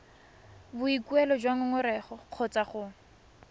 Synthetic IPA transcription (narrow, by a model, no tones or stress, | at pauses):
bʊikwɛlɔd͡ʒwaŋʊŋʊɾɛχɔq͡χʰɔt͡saχʊ